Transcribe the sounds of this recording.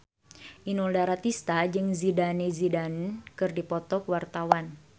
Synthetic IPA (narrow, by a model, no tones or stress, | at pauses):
ʔinɔldaɾat̪ist̪ad͡ʒɨŋzidanezidankɨrdipɔt̪ɔkwart̪awan